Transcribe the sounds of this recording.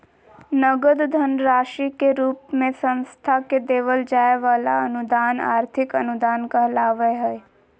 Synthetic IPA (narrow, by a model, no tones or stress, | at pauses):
nəɡəd̪d̪ʱənɾaːʃikeɾuːp̚mẽsə̃nst̪ʰaked̪eːʋəld͡ʒaːeʋaːlaənʊd̪aːna̰ːɾt̪ʰɪkənʊd̪aːnkaɦlaːʋəjɦɛe